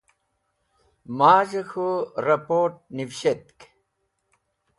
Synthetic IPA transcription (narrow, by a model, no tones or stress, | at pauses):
maːʑexuɾɐpoːʈ̚niwɕet̪̚k